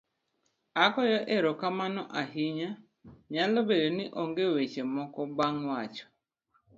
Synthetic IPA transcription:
akɔjɔʔeɾɔkamanɔʔaɦiɲa | ɲalobedoniʔoŋɡewet͡ʃemɔkɔbaŋwat͡ʃɔ̥

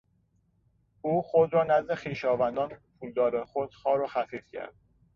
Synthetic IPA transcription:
uːxod̪ɾɒːnæzd̪e̞xiːʃɒːvænd̪ɒːnpʰuːld̪ɒːɾexod̪̥xɒːɾoxæfiːfcʰæ̰ɾd̪̥

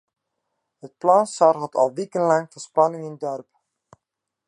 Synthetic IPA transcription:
ɦət̚plɑnsɑrɦɔtʰɑ̰lˠʋikənlɑŋfəspɑnɪŋɪndɔrp

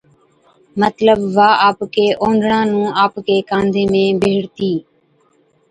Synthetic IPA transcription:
mət̪ləbʋaːʔaːpkeːʔõːɳɖɳãːnũːaːpkeːkãːnd̪eːmẽːbʱeːɽt̪iː

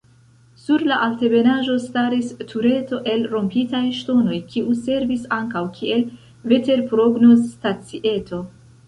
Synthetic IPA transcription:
suɾlaʔalte̞be̞naʒo̞staɾistʰuɾe̞to̞ʔe̞lɾo̞mpitajʃto̞no̞jkʰiʔuse̞ɾvisaŋkawkʰie̞l | ve̞te̞ɾpɾo̞ɡno̞stat͡siʔe̞tʰo̞

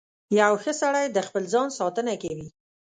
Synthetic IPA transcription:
jawxəsaɽajd̪əxpəlzɑnsɑt̪ənakawi

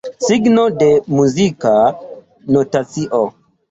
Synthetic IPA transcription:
siɡnode̞muzika | notat͡siʔo

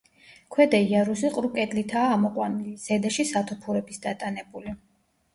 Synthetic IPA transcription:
kʰwɛd̪aiaɾusiqʼɾukʼɛd̪ʼlit̪ʰaːmɔqʼwaniliz̥ɛd̪aʃisat̪ʰupʰuɾɛbisd̪at̪ʼanɛbuli

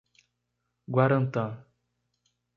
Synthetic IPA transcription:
ɡwaɾə̃nt̪ã

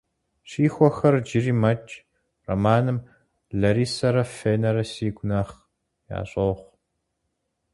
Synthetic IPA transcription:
ɕiːxʷɔxɐrd͡ʒɪriːmɐt͡ʃʼ | ro̰maːnɨm | ɮɐɾiːsɐɾɐfeːnɐɾɐsiːɡʷʊnɐχ | ja̰ːɕʼɐwχʷ

